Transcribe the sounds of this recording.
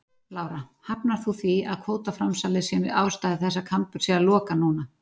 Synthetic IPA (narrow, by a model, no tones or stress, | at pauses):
laːwɾahapnaɾ̥θuθviaðkʰvoːwt̪afɾamsalɪsjɛmɪðaːwst̪aːðɪθɛsːakʰampʏɾ̥sjɛðalɔːkanuːna